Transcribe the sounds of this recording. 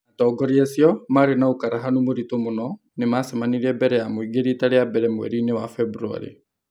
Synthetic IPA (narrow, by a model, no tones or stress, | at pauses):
atɔːɡɔɾiasiɔmaɾenaokaɾaɦanomoɾitomonɔ | nemasɛmaniɾiɛbɛɾɛjamoiɡeɾitaɾeabɛɾɛmwɛ̰ɾinewafɛbuɾua̰ɾḛ